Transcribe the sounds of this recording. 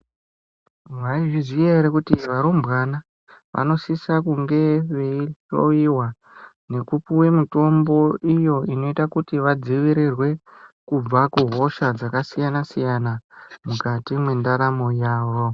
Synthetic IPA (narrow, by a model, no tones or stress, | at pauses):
ʋaiʐizieɾekutiʋaɾombɣana | ʋʔa̰no̞sisakuŋɡe̞ʋe̞iɬo̰iwa | ne̞kupuwe̞muto̞mbo̞ijo̞ino̞itakutiʋad͡ziʋiɾirwe̞kub͡vakuɦo̞ʃad͡zakasijanasijanamukatimwe̞ndaɾamo̞jaːʋo̞